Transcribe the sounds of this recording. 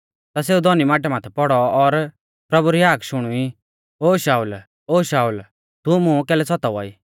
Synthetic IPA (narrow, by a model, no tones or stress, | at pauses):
t̪as̬eːud̪ʱɔnimaːʈ̬ɛmaːt̪ʰɛpɔɽɔɔɾ | pɾɐbuɾiɦaːkʃʊɽ̃ui | oːʃaːul | oːʃaːul | t̪umʊ̃kɛːlɛsɔt̪aʋɔḭː